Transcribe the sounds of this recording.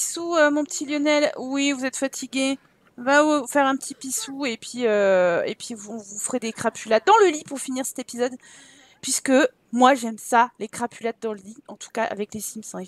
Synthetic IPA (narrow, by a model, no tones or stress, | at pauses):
pisuømɔ̃pət̪ʰiljɔnɛlwivuzɛt̪fat̪ʰiɡʲe | vawiufɛʁɛ̃pət̪ipisuepʰɥiøḛpɥivuɔ̃vufəʁed̪ekχapʰylat̪̚d̪ɑ̃ləlipuʁfiniʁsɛ̥t̪epizɔd̪ | pɥiskə | mwaʒɛmsalekχapylad̪̚d̪ɑ̃ləliɑ̃t̪u̥kaʔa̰vɛklesimsɛ̃